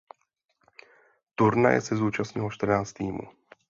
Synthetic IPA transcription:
t̪uɾna̰jɛ̰sɛzuːt͡ʃasɲɪloʃt̪r̩naːt͡st̪iːmṵ

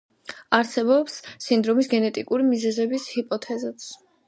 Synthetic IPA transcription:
aɾsɛbɔpsːind̪ɾɔmisɡɛnɛt̪ʼikʼuɾimizɛzɛbishipʼɔt̪ʰɛzɛt̪s

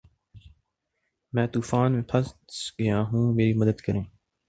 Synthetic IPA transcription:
mɛ̃ːt̪uːfaːnmẽːpʰəssɡəjãːɦũːmeːɾiːməd̪əd̪kəɾẽː

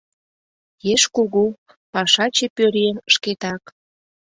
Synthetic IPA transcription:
jeʃkuɣu | pɑʃɑt͡ɕepøɾenəʃket̪ɑk

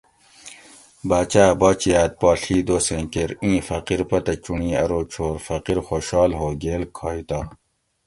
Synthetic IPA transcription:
baːt͡ɕaːbɔːt͡ɕijaːt̪̚paːɬiːd̪oːsẽːkeɾĩːfɐqiɾpɐt̪ɐt͡ɕuɳĩːɐ̰ɾoːt͡ɕʰoːɾfɐqiɾxoːɕɑːlɦoːɡeːlkʰaːit̪aː

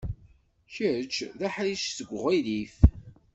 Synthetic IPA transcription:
çəɾət͡ʃːðæħɾiʃsəɡʷːʁilif

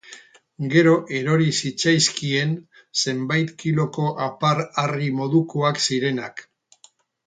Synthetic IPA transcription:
ɡe̞ɾo̞ʔe̞ɾo̞ɾisit͡sajskie̞n | se̞mbajt̪kilo̞ko̞ʔapaɾarimo̞ðukoaksiɾe̞nak

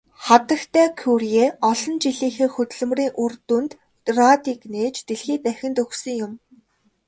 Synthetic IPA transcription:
χat̪ə̆xt̪ʰæːkʰurjeːɔɮɞ̆nt͡ɕiɮiːxeːxɵt̪̆ɮɵ̆mriːŋʔurt̪unt̪ | rat̪iːkneːt͡ɕt̪eɮxiːt̪æxʲɪ̆nt̪ɵxsɵ̆ŋjʊm

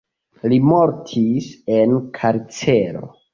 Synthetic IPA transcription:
limo̞ɾtʰisenkʰaɾt͡seɾo̞̰

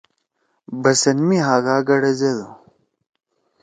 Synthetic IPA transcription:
bɐsɐnmiɦaːɡaːɡɐɽɐzed̪u

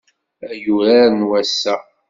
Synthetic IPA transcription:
æjuɾaɾənwæsːæ

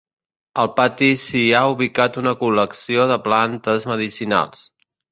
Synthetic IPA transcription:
əlˠpat̪isiauβikat̪unəkuləksioðəplant̪əzməðisina̰lˠs

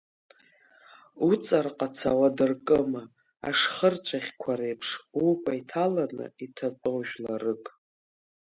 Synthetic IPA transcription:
ut͡sʼarqʼat͡sʰawadɨrkʼɨma | a̰ʂχərt͡ɕʷʰaχʲkʷʰaɾejpʰʂukʷʼaitʰalanɨ̰itʰapʼowʒᶣlarɨkʼ

